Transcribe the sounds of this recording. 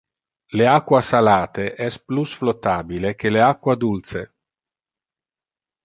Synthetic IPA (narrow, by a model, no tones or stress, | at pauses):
leakːwasalaːt̪eʔɛsplusflot̪ːaːbilek̟eleakːwad̪ult̪se